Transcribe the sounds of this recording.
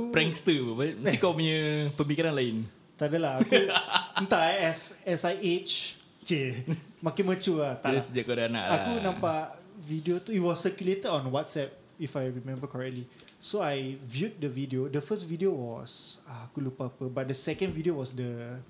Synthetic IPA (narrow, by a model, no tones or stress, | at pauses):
ɾɛŋst̪əbəbat̪̚mət̪ikapuɲəpəmikiɾanlaɪn | t̪adalaakənt̪aɛsɛsajʔet͡ʃ | t͡ʃemakɪnmət͡ʃuat̪adasəd͡ʒaʔkodaana̰ʔlakunãmpaʔvidiot̪uiwɔsəkjulet̪ədɔ̃nwat̪sɛp̚ | ifajɹimɛ̃mbəkɔɹɛk̚tli | soajvjut̚dəvidiodəfəstvidiowɔsaakulupaapəbat̚dəsɛkə̃nvidiowɔsdə